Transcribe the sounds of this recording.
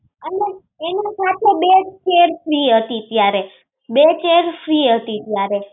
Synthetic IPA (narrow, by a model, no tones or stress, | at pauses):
əneː | nasat̪ʰebet͡ʃeɾfɾiɦət̪it̪jaɾe | bet͡ʃeɾfɾiɦət̪it̪jaɾe